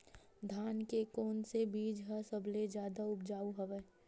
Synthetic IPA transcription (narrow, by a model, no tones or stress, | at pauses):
d̪ʱaːnkekɔːnsebiːd͡ʒɦasəbled͡ʒjaːd̪aʊp̚d͡ʒaːuɦəʋɛː